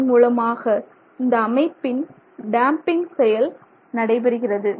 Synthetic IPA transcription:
muːlɐmaːɣɐ | ɪnd̪ɐːmɐɪpːɪn | ɖaːmpɪŋɡsɛjɐl | nɐɽɐɪbɛɾɯɣɪrɐðɯ

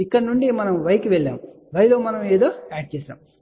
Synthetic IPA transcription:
ikːɐɽɐnuɳɖimɐnɐmʋɐjkuʋɛɭːa̰ːm | ʋɐjlo̞ːmɐnɐmeːd̪o̞ːaːɖ̚t͡ʃɛːʃa̰ːm

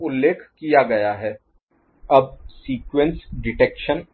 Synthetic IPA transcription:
ʊlːeːkʰkijaɡɐjaɦɛː | ɐb̚siːkwẽnsɖɪʈeːkʃən

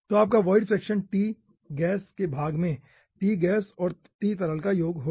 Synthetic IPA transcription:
t̪oaːp̚kaʋɔːɪɖfɾɛːkʃənʈiː | ɡɛːskebʱaːɡmẽ | ʈiːɡɛːsɔːɾ | t̪iːt̪ɐɾəlkajoːɡɦo

